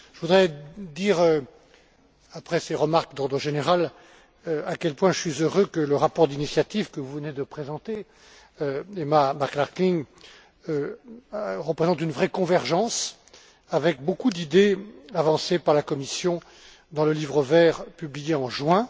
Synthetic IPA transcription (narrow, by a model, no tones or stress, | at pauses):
ʒəvud̪ʁɛd̪iʁø | apχɛseʁəmaʁkd̪ɔʁd̪ʁəʒeneʁal | akʲɛlpwɛ̃ʒəsɥizøʁøkələʁapɔʁd̪inisjat̪ivkəvuvəned̪əpχezɑ̃t̪e | emamaʁklaʁkliŋ | ʁəpχezɑ̃t̪ynvʁɛkɔ̃vɛʁʒɑ̃s | avɛk̚bokud̪id̪eavɑ̃sepaʁlakɔmisjɔ̃ | d̪ɑ̃ləlivʁəvɛʁpyblijeɑ̃ʒwɛ̃